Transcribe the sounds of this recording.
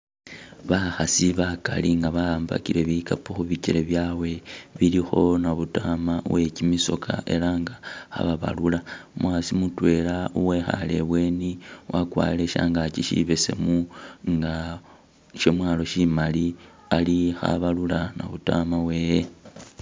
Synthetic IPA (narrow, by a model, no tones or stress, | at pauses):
βaxasiβakaliŋɡaβaaːmba̰kiɾe̞βikapuxuβiceɾeβjaːwe̞βilixo̞naβutamawe̞cimiso̞kʰa̰ʔe̞laŋɡaxa̰βaβa̰lulamwasimutwe̞lauwe̞xa̰le̞̰βwe̞ːniwʔakwa̰ːle̞ʃa̰ːŋɡat͡ʃiʃḭβe̞se̞̰muŋɡa | ʃomwaːlo̞ʃimali | alixa̰βalulana̰βutamawe̞je